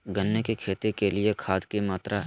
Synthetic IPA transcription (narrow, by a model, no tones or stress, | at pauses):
ɡɐnːekekʰeːt̪ekelɪekʰaːd̪kimaːt̪ɾa